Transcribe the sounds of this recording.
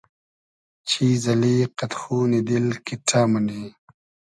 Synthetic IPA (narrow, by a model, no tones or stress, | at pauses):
t͡ʃʰizɐliqat̪xunid̪ilkiʈʰaːmɐni